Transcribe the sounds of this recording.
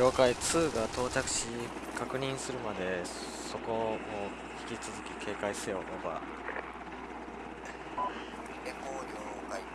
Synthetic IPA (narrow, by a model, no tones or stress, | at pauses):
o̞ːkait͡sɨːɡat̪ʰo̞ːt͡ɕakɯ̟̥ɕi | kʰakɯ̟ɲ̟ĩɰ̃sɨɾɯ̟mad̪e̞ | so̞ko̞moː | çʲi̥kʲit͡sɨzɨkʲikʰe̞ːkaise̞onoba̰ | o